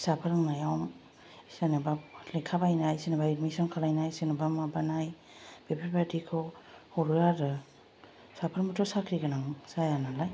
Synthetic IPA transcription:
sapʰaɾŋnajawm | sanɯbalekʰabajnajsenabaidmisɔnkʰalajnajsenɯbamabanaj | b̥epʰepadikʰɔhɔɾuaɾɯ | sapʰaɾmɔtʰɔsakʰɾiɡanaŋsajanalaj

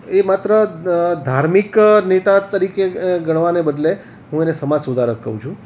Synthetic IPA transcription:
emat̪ɾəd̪ʱaɾmiknet̪at̪əɾikeɡəɽʋanebəd̪le | ɦũenesəmad͡ʒsud̪ʱaɾəkːə̰ɦũt͡ʃʰũ

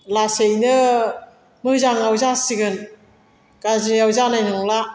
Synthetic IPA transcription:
lasejnɯ | mɯzaŋawzasiɡɯn | ɡ̥azijawzanajnɯŋla

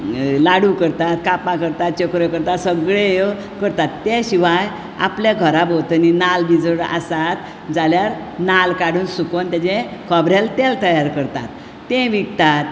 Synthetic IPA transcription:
laɽukəɾt̪at̪kapãkəɾt̪at̪̚t͡ɕəkɾəkəɾt̪at̪səɡɭejə | kəɾt̪at̪ːeɕiʋaj | a̰pljaɡʱəɾabot̪ninalbid͡zəɽa̰sat̪ | d͡zaljaɾ | nalkaɽ̤uːnsukont̪jat͡ɕẽkʰɔbɾjalt̪ɛlt̪əjaɾkəɾt̪a̰t̪ː | ẽʋiɡt̪at̪

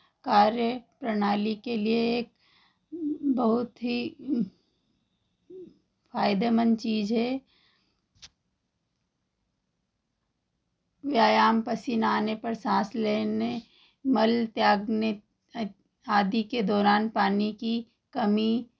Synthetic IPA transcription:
kaːɾjəpɾɐɽ̃aːlikelieeːk̚ | bɐɦʊt̪ɦi | fʰaːɪd̪emənt͡ʃiːd͡ʒɦɛː | ʋjaːjaːmpəsinaːnepɐɾsãːsleːne | mɐlt̪jaːɡne | aːd̪iked̪ɔːɾaːnpaːniki | kɐmi

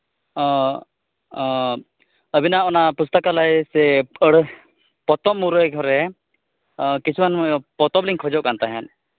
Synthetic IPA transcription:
əbʱinaɔnapust̪əkalajsɛəɽ | pɔt̪ɔmːuɾɔɡʱɔɾɛ | kit͡ʃʰumanmɔjɔpɔt̪ɔbliŋkʰɔd͡ʒɔʔkant̪aɦɛn

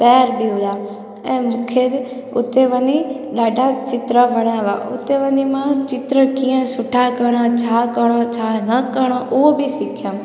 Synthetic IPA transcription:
t̪əjaɾbiud̪a | ẽmʊkʰet̪ | ʊt̪ːeʋəni | ɗaːɖʱat͡ʃɪt̪ɾəʋəɽ̃aʋa̰ʊ̰t̪ːeʋənimãt͡ʃɪt̪ɾəkijə̃sʊʈʰakəɳat͡ʃʰakəɳ̃ot͡ʃʰanəkəɳ̃oʔoobʱisikʰja

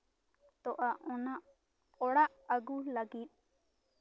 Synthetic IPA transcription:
t̪ɔʔaʔɔnaʔ | pɔɽaʔəɡuləɡit̪̚

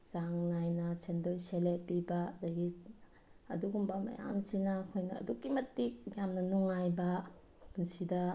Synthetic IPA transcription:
zaŋnajnɐsendojselepibɐdaɡi | ɐ̰duɡumbɐmɐ̰ja̰msinɐkʰojnɐ̰ːduɡimɐtːik̚jamnɐnuŋajbɐ | punsidɐ

